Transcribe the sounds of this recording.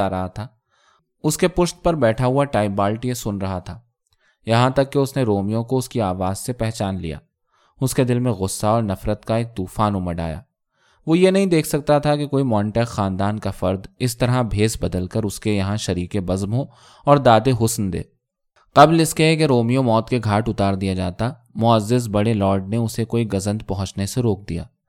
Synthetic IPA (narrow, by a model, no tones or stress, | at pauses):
aɾɐɦat̪ʰaː | ʊskepʊʃt̪̚pɐɾbɛːʈʰaɦʊaʈaːɪbaːlʈjesʊnɾɐɦat̪ʰaː | jɐɦãt̪ɐkːeʊsneɾoːmijõkoʊskiaːʋaːzsepɛɦt͡ʃaːnlḭja̰ː | ʊsked̪ɪlmẽɣʊsːaɔːɾnɐfɾət̪kaeːk̚t̪uːfaːnumɐɖa̰ːja̰ː | ʋoːjenɐɦĩd̪eːkʰsɐk̚t̪at̪ʰakekoːimɔ̃ːɳʈɛːkːaːnd̪aːnkafɐɾd̪ɪst̪ɐɾabʱeːsbɐd̪əlkɐɾʊskejɐɦãʃɐɾiːkebɐzmɦo | ɔːɾd̪aːd̪eɦʊsnd̪ḛː | qɐblɪskeɦɛkeɾoːmijõmɔːt̪keɡʱaːʈʊt̪aːɾd̪ijad͡ʒaːt̪a | mʊəzːɪz̬bɐɽelɔːɖ̚neʊsekoːiɡɐzə̃nd̪pɐɦʊ̃t͡ʃneseɾoːk̚d̪ija̰ː